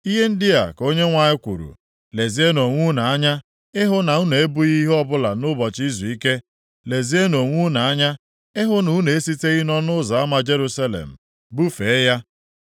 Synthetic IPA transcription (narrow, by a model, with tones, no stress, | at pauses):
i˦ɦe˦n̩˦dɪ˦a̰˨ko˦ɲe˦ŋʷa˨ɲɪ˦kʷṵ˨ɾṵ˨ | le˨zi˦e˦no˨ŋʷu˦na˨a˦ɲa˦ | ɪ˦ɦʊ˦na˨u˦ne˨e˦bu˦i˦ɦɔ˦bʊ˦la˨nʊ˦bɔ˨t͡ʃi˦zu˨i˦ke˦ | le˨zi˦e˦no˨ŋʷu˦na˨a˦ɲa˦ | ɪ˦ɦʊ˦nu˨˦ne˨e˦si˦te˦ɣɪ˦nɔ˦nʊ˦za˨a˦ma˨d͡ʒe˦ɾu˦sa˦lḛ˨m̩˨ | bu˦fe˨˦ja˦